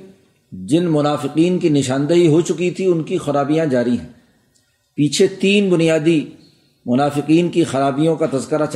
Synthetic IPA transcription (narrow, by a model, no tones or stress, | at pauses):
d͡ʒɪnmʊnaːfɪqiːnkinɪʃ̬ãːnd̪əɦiɦot͡ʃʊkit̪ʰiʊnkixɐɾaːbijãd͡ʒaːɾiɦɛ̰̃ː | piːt͡ʃʰet̪iːnbʊnijaːd̪i | mʊnaːfɪqiːnkixɐɾaːbijõkat̪ɐzkəɾat͡ʃ